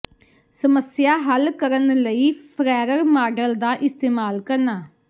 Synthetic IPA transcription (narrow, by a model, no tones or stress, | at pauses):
səməsjaːɦəlkəɾənləiːpʰɾɛːɾəɾmaːɖəld̪aːʔɪst̪eːmaːlkəɾnaː